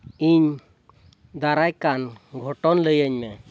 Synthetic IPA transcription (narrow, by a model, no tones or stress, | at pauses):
iɲ | d̪aɾajkanɡʱɔʈɔnləjəɲmɛ